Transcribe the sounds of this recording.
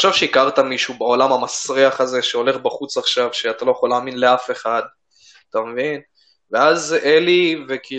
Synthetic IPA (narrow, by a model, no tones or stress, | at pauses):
ʃavʃeikaʁt̪amiʃubao̞lamhamasʁiaχaze̞ʃeo̞le̞χbaχut͡saχʃavʃe̞at̪alo̞jeχo̞laːminle̞afe̞χad̪ | at̪amevin | veazelive̞ki